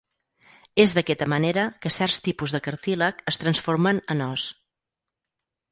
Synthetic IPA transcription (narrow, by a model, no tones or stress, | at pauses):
ezðəkɛt̪əməneɾəkəsɛrst̪ipuzðəkəɾt̪iləkəst̪ɾənsfoɾmənənɔs